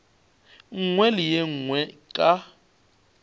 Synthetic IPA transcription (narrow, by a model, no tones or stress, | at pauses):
ŋ̩ŋwɛlɪjɛŋ̩ŋwɛkʼa